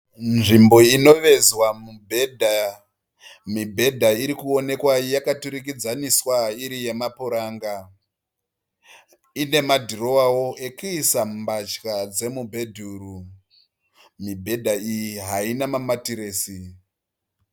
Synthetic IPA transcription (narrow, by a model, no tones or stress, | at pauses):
nʐimbo̞ino̞ʋe̞zwamubʱedʱa | mibʱe̞dʱaiɾikuo̞ne̞kwajakatuɾikid͡zaniswaiɾije̞mapuɾaːŋɡa | ine̞madʱiro̞wawo̞ʔe̞kuːsambat͡ʃkad͡ze̞mubʱe̞dʱuɾu | mibʱe̞dʱaijiɦainamamatiɾeːsi